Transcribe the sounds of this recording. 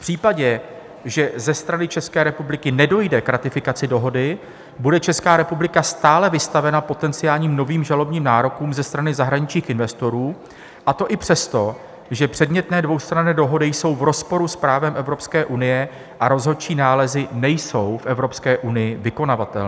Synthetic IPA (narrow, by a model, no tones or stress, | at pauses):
fpr̥iːpaɟɛ | ʒɛzɛst̪ɾanɪt͡ʃɛskɛːɾɛpublɪkɪnɛdo̞jdɛkɾat̪ɪfɪkat͡sɪdo̞ɦo̞dɪ | budɛt͡ʃɛskaːɾɛpublɪkast̪aːlɛvɪst̪avɛnapo̞t̪ɛnt͡sɪjaːlɲiːmno̞viːmʒalo̞bɲiːmnaːɾo̞kuːmzɛst̪ɾanɪzaɦɾaɲɪt͡ʃɲiːxʔɪnvɛst̪o̞ɾuː | ʔat̪o̞ʔɪpr̝̥ɛst̪o̞ | ʒɛpr̥ɛdmɲɛt̪nɛːdvo̞wst̪ɾanɛːdo̞ɦo̞dɪjso̞wvɾo̞spoɾuspɾaːvɛmʔɛvɾo̞pskɛːʔunɪjɛ | ʔaɾo̞zɦo̞t͡ʃiːnaːlɛzɪnɛjso̞wfʔɛvɾo̞pskɛːʔunɪjɪvɪko̞navat̪ɛ̰lː